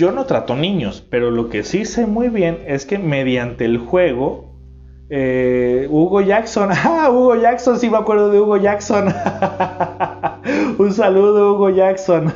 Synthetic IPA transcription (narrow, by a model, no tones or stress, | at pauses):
o̞no̞t̪ɾat̪o̞nĩɲo̞spe̞ɾo̞lo̞ke̞sise̞mujβje̞ne̞ske̞me̞ðjant̪e̞ːlxwe̞ɣ̞o̞ | euɣo̞ʝakso̞nauɣo̞ʝaksonsimeakwe̞ɾð̞oðeuɣo̞ʝakson | uns̬aluð̞ouɣoʝakson